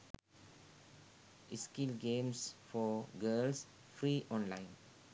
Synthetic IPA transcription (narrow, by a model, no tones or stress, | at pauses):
ʔiskilɡẽmsfɔɡəls | fɾiʔɔ̃nlãɪ̃n